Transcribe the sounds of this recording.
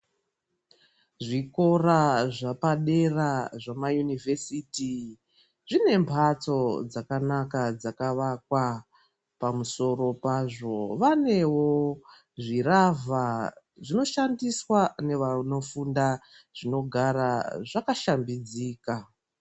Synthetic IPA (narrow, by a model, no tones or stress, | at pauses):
ʐiko̞raʐapaɗe̞raʐamajunivʱesiti | ʐine̞mpʰat͡so̞d͡zakanakad͡zakaʋakwa | pamuso̞ro̞paʐo̞ʋane̞wo̞ | ʐirava | ʐino̞ʃandiswane̞ʋano̞funda | ʐino̞ɡʱaɾaʐakaʃambid͡ziːka